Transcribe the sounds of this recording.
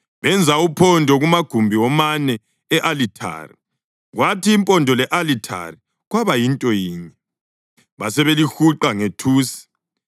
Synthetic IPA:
βɛnd͡zʱaupʰɔndʱɔɣumaɡ̥ʱumbʱiɔmanɛː | ʔalitʰa̰ːrḭ | ɣwʔatiːmpʼɔndʱɔlɛʔalitʰa̰ri | ɣwaβajintʼɔjiːɲɛ | βasɛβelixuǃaŋetʰuːsi̥

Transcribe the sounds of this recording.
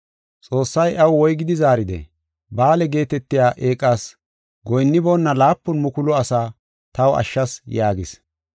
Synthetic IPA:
t͡sʼo̞ːsːɐjʔɐwwɔjɡɪd̪ɪzaːɾɪd̪ɛ̰ | baːlɛɡe̞ːt̪ɛt̪ːɪjaːʔeːkʼːaːs | ɡɔjnːɪboːnːɐlaːpːʊnmʊkʊlɔɐsaː | t̪ɐwɐ̰ʃːɐsjaːɡɪs

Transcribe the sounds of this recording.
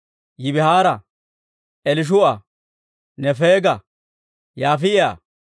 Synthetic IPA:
jɪbɪhaːɾɐ | ʔɛlɪʃ̬ʊɐ | nɛfeːɡɐ | jaːfɪʔɪa̰ː

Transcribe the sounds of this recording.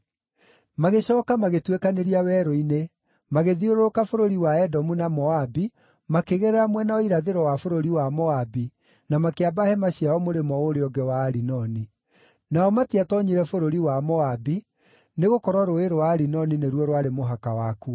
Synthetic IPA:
maɣeɕɔːkamaɣetwekaneɾiawɛɾɔine | maɣeðioɾookafoɾoɾiwaɛdɔmunamɔabi | makeɣeɾɛɾamwɛnaɔiɾaðeɾɔwafoɾoɾiwamɔabi | namakeabahɛmaɕiaɔmoɾemɔoɾeɔɡɛwaːɾinɔni | naɔmatiatɔɲiɾɛfoɾoɾiwamɔabi | neɣokɔɾwɔɾoeɾowaːɾinɔnineɾwɔɾwaɾemoɦakawaku

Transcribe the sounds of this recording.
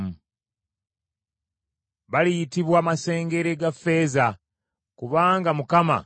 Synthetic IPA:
βalijitiβwaːmase̞ːŋɡe̞ɾeɡafːe̞ːza | kuβaːŋɡamukama̰

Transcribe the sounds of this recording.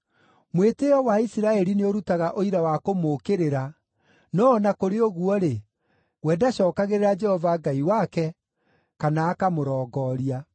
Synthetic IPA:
mweteɔwaisiɾaɛɾineoɾutaɣaʔoiɾawakomoːkeɾeɾa | nɔːnakoɾeɔɣuɔɾe | wɛːdaɕɔːkaɣeɾeɾad͡ʒɛhɔvaɡaiwakɛ | kanaːkamoɾɔːɡɔːɾia

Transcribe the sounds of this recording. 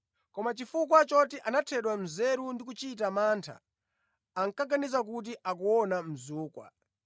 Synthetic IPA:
kɔmat͡ʃifukwat͡ʃɔtiʔanatʰɛɗwam̩zɛɾundikut͡ʃit̬amaːntʰa̰ː | ŋkaɡanizak̬ut̬iʔak̬uwɔnam̩zuːkwa̰

